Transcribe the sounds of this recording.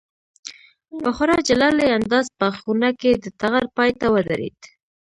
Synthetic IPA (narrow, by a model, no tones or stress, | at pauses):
waxʊɾɑd͡ʒalɑleand̪ɑzpəxunaked̪ət̪aɣaɾpɑjt̪awəd̪aɾḛd̪